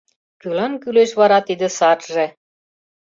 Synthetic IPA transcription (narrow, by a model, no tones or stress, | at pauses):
kylɤ̆nkyleʃβɑɾɑt̪id̪ɘ̆sɑt̪ʒĕ